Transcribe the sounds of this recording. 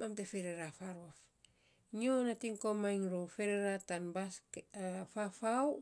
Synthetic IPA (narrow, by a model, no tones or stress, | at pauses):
mamtefeɾeɾafaɾuaf | ɲionatiŋkomajŋɾofeɾeɾatanbas | fafaw